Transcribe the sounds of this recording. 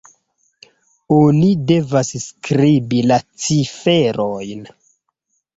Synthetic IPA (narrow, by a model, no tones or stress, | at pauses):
onide̞vasskɾibilat͡sife̞ɾojn